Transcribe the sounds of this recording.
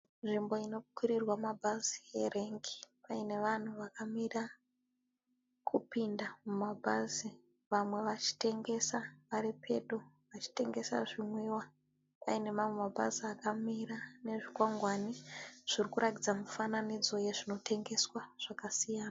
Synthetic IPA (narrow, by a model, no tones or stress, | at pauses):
nʐimbo̞ino̞kwiɾirwamabʱaziere̞ŋɡi̥paine̞ʋan̤uʋakamira | kʰupindamumabʱaːzi | ʋamwe̞ʋat͡ʃi̥te̞ŋɡe̞saʋaɾipʰe̞̰ɗo | ʋat͡ʃi̥te̞ŋɡe̞sa̰ʐimwiwa | paine̞mamwe̞mabʱa̰ziakamiɾane̞ʐikwaŋɡwaniʐ̥irikuɾat̬id͡zamufananid͡zo̞je̞ʐino̞tʰe̞ŋɡe̞swaʐ̥akasijaːna